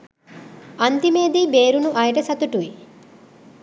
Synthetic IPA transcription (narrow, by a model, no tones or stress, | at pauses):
ɐnt̪imeːd̪ibeːɾunuʔɐjʈɐsɐt̪uʈui